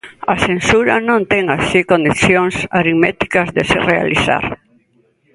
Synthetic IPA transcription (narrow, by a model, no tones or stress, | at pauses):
asensuɾanõnt̪ɛŋasikõnd̪iθjoŋsaɾimɛt̪i̥kazðeserea̰liθa̰ɾ